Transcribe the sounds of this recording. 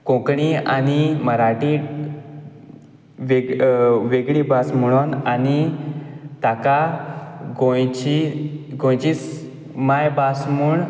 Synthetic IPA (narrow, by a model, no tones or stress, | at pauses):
kõkɳia̰niməɾaʈi | ʋeʋeɡɭibasmuɽ̃onani | t̪aka | ɡojt͡ɕiɡõjt͡ɕis | majbasmuɳ